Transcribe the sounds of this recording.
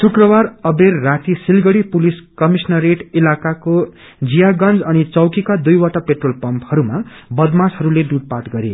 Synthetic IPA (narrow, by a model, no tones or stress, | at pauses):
sʰukrʌbarʌberːat̪isilɡʌɽipuliskʌmisnʌreʈilakako | d͡zijaɡʌnd͡zʌnit͡sʌwkikad̪ujwaʈʌpeʈrolpʌmphʌɾumabʌd̪mashʌɾuleɖuɽ̚paʈɡʌɾḛ